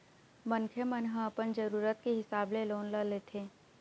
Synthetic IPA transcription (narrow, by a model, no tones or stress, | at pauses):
mənkʰjəmənɦə̃ɐpənd͡ʒəɾuːɾət̪keɦɪsaːbleloːnləleːt̪ʰeː